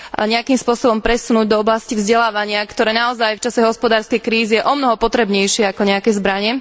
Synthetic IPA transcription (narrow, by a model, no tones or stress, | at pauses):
ɲɛakimspʊɔsɔbɔmpɾɛsunuːɟ̚d̪ɔɔblascivzɟɛlaːʋaɲɪakt̪ɔɾɛːnaɔzajft͡ʃasɛɦɔspɔd̪aːɾskɛjkɾiːzijɛʔɔmnɔɦɔpɔt̪ɾɛbɲɛjʃɪɛakɔɲɛakɛzbɾaɲɛ